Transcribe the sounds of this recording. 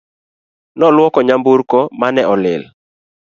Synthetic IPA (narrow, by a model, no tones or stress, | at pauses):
nɔlwɔkɔɲambuɾkɔmanɛʔɔlɪ̰l